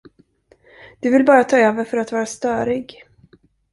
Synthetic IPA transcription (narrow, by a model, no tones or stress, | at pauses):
d̪̥ɵvɪlbɑːɾat̪ʰɑːøːvəɾfœɾat̪vɑːɾast̪œːɾɪɡ